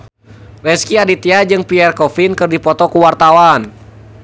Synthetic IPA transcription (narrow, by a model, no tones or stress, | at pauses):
rɛskiadit̪iad͡ʒɨŋpiɛrkɔfinkɨrdipɔt̪ɔkuwart̪awan